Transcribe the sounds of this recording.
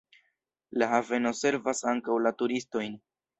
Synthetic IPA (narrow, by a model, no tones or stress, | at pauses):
lahave̞no̞se̞ɾvasaŋkawlatuɾisto̞jn